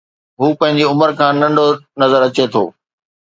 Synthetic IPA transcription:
ɦuːpɐ̃ɦɪ̃ɲ̆d͡ʑiʊməɾkʰãːnɐ̃ɳɖonɐzəɾɐt͡ɕet̪ʰo̰ː

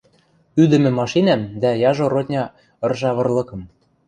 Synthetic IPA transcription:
yd̪ɘ̆mɘ̆mɑʃinæmd̪æjɑʒoɾot̪ʲnʲɑ | ɤ̆rʒɑβɤ̆rlɤ̆kɤ̆m

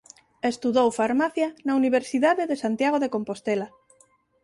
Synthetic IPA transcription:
est̪uðowfaɾmaθjanauniβ̞eɾsiðaðeðesant̪jaɣ̞oðekompost̪ela

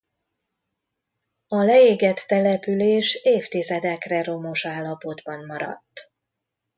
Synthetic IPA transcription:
ɒlɛeːɡɛt̪ːɛlɛpyleːʃeːft̪izɛd̪ɛkrɛro̞mo̞ʃaːlːɒpo̞d̪bɒmːɒɾɒ̰t̪ː

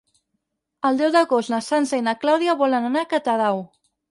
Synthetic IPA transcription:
əlˠd̪ɛwd̪əɣost̪nəsansəinəklawðiaβɔlənanakət̪əðaw

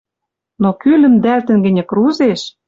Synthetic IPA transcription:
nokylə̆md̪ælt̪ɘ̆nɡɘ̆nʲɘ̆kruzeʃ

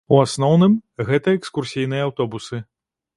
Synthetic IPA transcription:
uasnɔwnɨmɣɛt̪ɐɛkskursʲijnɨjɐawt̪ɔbusɨ

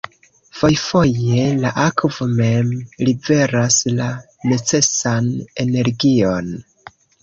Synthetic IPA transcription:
fo̞jfo̞je̞laʔakvo̞me̞mlive̞ɾasla | ne̞t͡se̞sane̞ne̞ɾɡio̞n

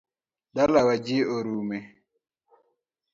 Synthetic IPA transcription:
dalawad͡ʒioɾuːme

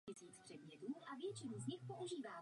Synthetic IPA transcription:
ɪsiːt͡spr̝̥ɛdmɲɛt̪uːʔavjɛt͡ʃɪnuzɲɪxpoʔuʒiːvaː

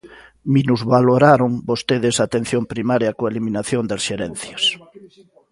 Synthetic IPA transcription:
minuzβaloɾaɾoŋbost̪eðesat̪en̟θjompɾimaɾjɐkoeliminaθjond̪asʃeɾɛn̟θjɐs

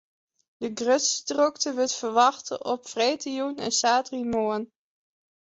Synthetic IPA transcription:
d̥əɡrøtsdrøktəʋətfəɹʋɑχtə̰ʔɔpfrejtijunɛ̰nsaːtrimoːn

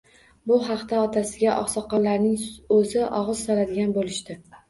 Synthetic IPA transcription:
bʊɦɑqt̪aɒt̪ʰasɪɡʲaʔɒ̰χsɒqɒnlaɾnɪŋɵzɪʔɒʁɨz̥sɒlad̪ɪɡʲanbolɪʃt̪ɪ

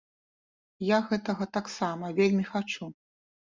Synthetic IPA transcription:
jaɣɛt̪ɐɣɐt̪aksamɐvʲelʲmʲixat͡ʂu

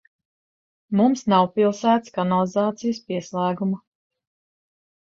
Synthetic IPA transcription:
mumsnawpilˠsæːt̪skanalˠizaːt̪sijəspiɛslˠæːɡuma

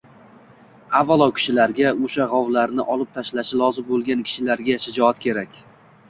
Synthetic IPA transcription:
avːalˠɒwkʲʰɪ̥ʃɪlaɾɡʲaoʃaʁawlaɾnɪʔɒlˠɪp̚t̪ʰaʃlaʃɪlɒzɪmbolˠɡʲankʲʰɪ̥ʃɪlaɾɡʲaʃɪd͡ʒɒat̪kʲʰe̞ɾakʲ

